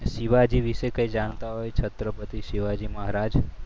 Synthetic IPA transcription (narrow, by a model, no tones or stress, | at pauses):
ʃiʋad͡ʒiʋiʃekəid͡ʒant̪aɦojt͡ʃʰət̪ɾəpət̪iʃiʋad͡ʒiməɦɾad͡ʒ